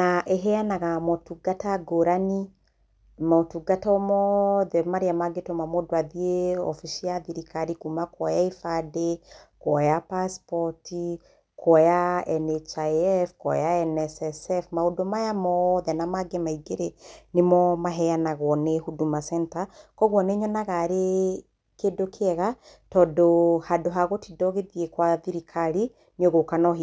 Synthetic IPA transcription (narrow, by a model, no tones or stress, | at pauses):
naʔeɦɛjanaɣamɔtuɡataɡoɾani | maotuɡatɔmɔðɛmaɾiamaɡetomamɔdwaðieɔ̰fiʃiaðiɾikaɾikumakɔjaifadekɔjapaspɔti | kʰɔjaɛnɛt͡ʃaɛfkwɔ̰jaɛnɛsɛsɛfmaodomajamɔðɛnamaɡemaiɡeɾenemɔmaɦɛjanaɣwɔnehudumasɛntakɔɣwɔneɲɔnaɣaɾe | kedokʰɛɣa | tɔːdohadoɦaɣotidɔɣeðiekwaðiɾikʰaɾi | nioɣokanɔɦi